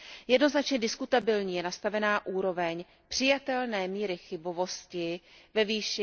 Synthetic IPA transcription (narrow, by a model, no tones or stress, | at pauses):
jɛdno̞znat͡ʃɲɛdɪskut̪abɪlɲiːjɛnast̪avɛnaːʔuːɾo̞vɛɲ | pr̥ɪjat̪ɛlnɛːmiːɾɪxɪbo̞vo̞scɪvɛviːʃɪ